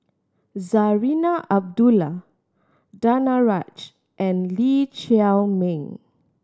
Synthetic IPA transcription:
zaɹinaʔab̚dula | danaɹat͡ʃ | ʔɛ̃nlit͡ʃɛlmẽŋ

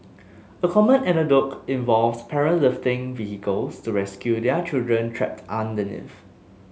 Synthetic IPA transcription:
əkʰɔmə̃nɛnədɔkĩnvɔlfspʰɛɹə̃nlɪftɪ̃ŋvihikəlstuɹɛskjudɛt͡ʃildɹə̃ntʰɹɛ̰p̚tʰãndənɪ̰f

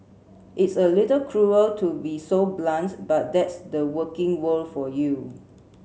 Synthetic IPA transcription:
ʔɪtsəlitəlkʰɹuəltʰubisoblãntbat̚dɛtsdəwəkɪ̃ŋwəlfɔju

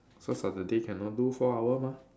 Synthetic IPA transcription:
sosadadekʰɛ̃nːɔdufɔawəmã

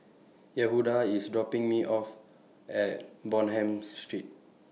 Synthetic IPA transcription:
jɛɦudaisdɹɔpĩŋmiʔɔf | ɛt̚bɔ̃nɦɛ̃mstɹit̚

